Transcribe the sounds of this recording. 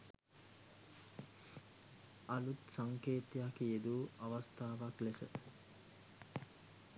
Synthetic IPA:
alut̪saŋkeːt̪jakijed̪uːaʋast̪aːʋaklesə

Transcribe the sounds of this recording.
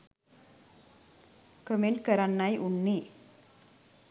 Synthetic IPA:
kəmeɳʈ̚kəɾanːajʔunːe

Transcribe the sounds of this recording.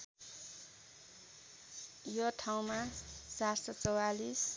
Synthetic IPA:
jʌʈʰaw̃mat͡sarsʌt͡sʌwalis

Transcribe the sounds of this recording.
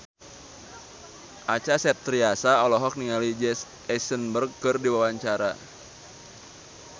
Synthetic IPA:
ʔat͡ʃasɛt̪ːɾiasaɔlɔɦɔk̚niŋalid͡ʒɛs | ɛsənbərɡ̚kɨrdiwawaɲt͡ʃaɾa

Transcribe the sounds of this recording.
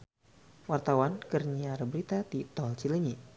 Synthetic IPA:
wart̪awankərɲiaɾəbəɾit̪at̪it̪ɔlt͡ʃiləɲi

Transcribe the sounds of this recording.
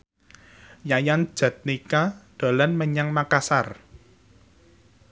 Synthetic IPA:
jajan̥ʒ̥ä̤t̪̚nikaɖ̪̥o̤lanməɲaŋmakasar

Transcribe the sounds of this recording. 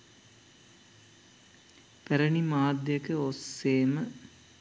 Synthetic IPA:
pæɾənimaːd̪jekəosːeːmə

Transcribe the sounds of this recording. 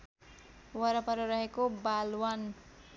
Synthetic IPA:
wʌɾʌpʌɾʌɾʌɦekobalwan

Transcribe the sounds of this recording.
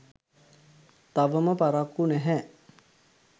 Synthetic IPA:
t̪aʋəməpaɾakːunɛɦɛ

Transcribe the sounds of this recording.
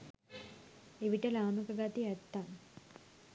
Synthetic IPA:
eʋiʈəlaːnukəɡat̪iɛt̪ːaŋ

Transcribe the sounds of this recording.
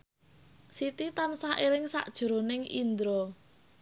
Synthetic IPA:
sit̪it̪ansaʔelɪŋsa̰ʔd̥ʒ̥ṳɾonɪŋʔḭnd̪ɾɔ

